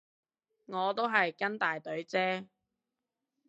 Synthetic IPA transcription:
ŋɔː˨˧t̪o˥wɦɐ˨jkɐ˥nt̪aː˨jt̪ɵ˨˥ɥt͡sɛː˥

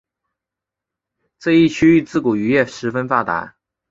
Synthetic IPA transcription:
t͡sɤ˥˧i˥˩t͡ɕʰy˥y˥˧t͡sɹ̩˥˩ku˨˩y˧˥jɛ˥˩ʂɻ̩˧˥fə˥nfa˥t̪a̰˧˥

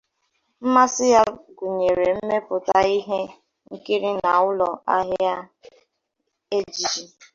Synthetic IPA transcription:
m̩˦ma˦sɪ˦ja˦ɡu˨ɲe˨ɾe˨m̩˦me˦pʊ˨ta˨i˦ɦe˦ | ŋ̩˦ki˦ɾi˦na˨ʊ˦lɔ˨a˦ɦja˦ | e˦d͡ʒi˨d͡ʒi˦

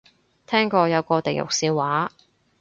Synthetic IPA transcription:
t̪ʰɛː˥ŋkɔː˧jɐ˨˧wkɔː˧t̪e˨jʊ̰˨k̚siː˧wwaː˨˥

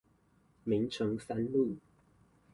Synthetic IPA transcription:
mi˨˥˦ŋʈ͡ʂʰɤ˨˥ŋsa˥nlu˥˨

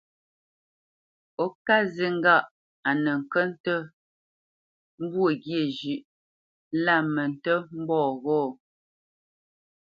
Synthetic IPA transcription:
ɔ˦ka˦ze˦ŋ̩˦ɡa˦˨ʔ | a˨nə˨ŋ̩˨kə˦n̩˦tə˦ | m˦bwə˦˨ɡje˦˨d͡ʒʉ˨ʔ | la˦˨mə˨n̩˨tə˦m̩˦bɔː˦˨ɣɔː˦˨

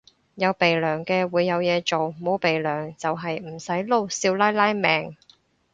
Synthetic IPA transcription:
jɐ˨˧wpe˨jlœː˨˩ŋkɛː˧wuː˨˧jːɐ˨˧wjɛː˨˧t͡so˨wmo˨˧wpe˨jlœː˨˩ŋt͡sɐ˨wɦɐ˨jm̩˨˩sɐ˨˥jlo˥wsiː˧wlaː˥jlaː˥jmɛː˨˧ŋ

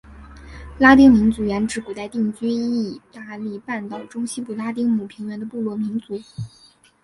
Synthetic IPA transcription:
la˥t̪̬i˥ŋmi˧˥nt͡su˧˥ɥɛ˧˥nʈ͡ʂɻ̩˧˥ku˨˩t̪a˥˧ɪt̪i˥˩ŋt͡ɕy˥i˥˩t̪a˥˧li˥˩pa˥˩nt̪ɑ˨˩ʊʈ͡ʂʊ˥ŋɕi˥pu˨˩la˥t̪̬i˥ŋmu˨˩pʰi˧˥ŋɥɛ˧˥nd̪ə˧pu˥˧lwɔ˥˩mi˧˥nt͡su˧˥

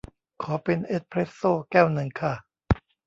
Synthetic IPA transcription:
kʰɔː˩˦pe˧nʔe˦˥t̪̚pʰɾeː˦˥t̪̚soː˥˩kɛː˥˩wnɯ˧ŋkʰa˥˩

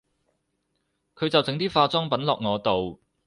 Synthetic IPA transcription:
kʰɵ˨˧ɥt͡sɐ˨wt͡sɪ˨˧ŋt̪iː˥faː˧t͡sɔː˥ŋpɐ˨˥nlɔ̰ː˨k̚ŋɔː˨˧t̪o˨w

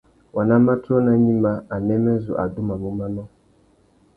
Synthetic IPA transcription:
wa˨nã˦mã˦tʰɔ˦nã˦ɲĩ˦mba˦a˨nɛ̃˦mɛ̃˦zʊ˨ʔa˨du˦mã˨mũ˦mã˦mã˦

